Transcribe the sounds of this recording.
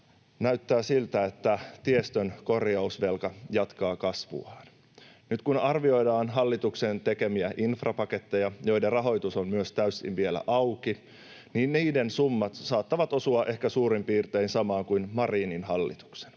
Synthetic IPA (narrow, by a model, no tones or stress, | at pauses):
næyt̪ːæːsilt̪æet̪ːæt̪iest̪ønko̞rjɑusʋe̞lkɑjɑt̪kɑːkɑsʋṵɑːn | nyt̪kunɑrʋio̞jdɑːnɦɑlːit̪uksent̪e̞ke̞miæʔinfrɑpɑke̞t̪ːe̞jɑjo̞jderrɑɦo̞jt̪usommyøst̪æysːḭnʋielæ̰ʔɑuwki | niːnniːde̞nsumːɑt̪sɑːt̪ːɑʋɑt̪o̞suɑʔe̞hkæsuːɾimpiːrt̪einsɑmɑːŋkuinmɑriːninhɑlːḭt̪u̥kse̥n